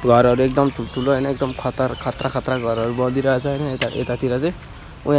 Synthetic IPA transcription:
ɡʱʌɾɦʌɾuek̚d̪ʌmtʰult̪ʰuloɦʌjnʌek̚d̪ʌmkʰʌt̪ʌɾkʰʌt̪ɾakʰʌt̪ɾaɡʱʌɾʌɾubʌd̪iɾʌɦʌt͡sʰʌɦʌjnʌet̪aʔḛt̪at̪ʰiɾʌt͡sãj | uɦã

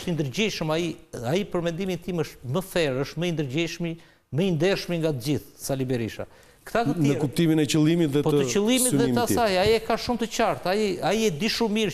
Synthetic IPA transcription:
t̪ind̪əɾd͡ʑiʃəmaiaipəɾmɛnd̪imint̪iməʃməθɛɾəʃt̪məind̪əɾd͡ʑiʃmi | məind̪ɛɾʃmiŋɡat̪əd͡ʑiθsalibɛɾiʃa̰ | kθat̪əinəkup̚t̪iminɛt͡ʃəlˠimit̪ðɛpɔət͡ʃəlˠimit̪ðɛt̪asajaiɛkaʃumt̪ət͡ɕaɾt̪aiaiɛd̪iʃumiɾ

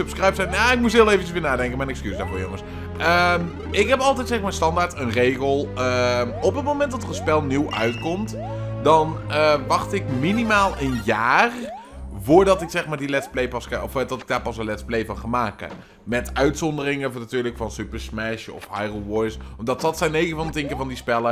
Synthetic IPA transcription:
sɵpskrajpsɛnaɪk̚mus̬ɦɪːlˠejvənt͡ʃəsʋɪːɹnaːdɛŋkəmɛjnɛkskysdaːɹvʊːɹjoŋəs | əm | ɪkɦɛpɑlˠtɛjtsɛxmaːnstɑndaːɹtənrejɣəlˠəɔpət̚mowmɛntdɑtərəspɛlˠniwʔœ̰ɥtkɔmt | dɑnəʋɑχtɪkminimaːlˠənjaːr | vʊːɹdɑtɪksɛχmaːɹdilɛtsplejpɑskɔfdɑtɪɡ̚daːɹpɑsəlɛtsplejvɑnχaːnmaːkə̰ | mɛtœɥtsɔndərɪŋəvnatyːɹləkfɑnsypəɹsmɛʃɔ̰fhajrəlˠʋɔjsmdɑtɑtsɛjnejvənvɑndətɪŋkəvɑndispɛlə

